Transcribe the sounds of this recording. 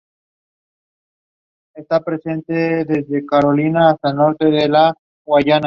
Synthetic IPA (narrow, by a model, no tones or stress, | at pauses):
est̪apɾe̞se̞nt̪eðe̞zðe̞kaɾo̞linaːst̪aelno̞ɾt̪e̞ðela | ɣwaʝana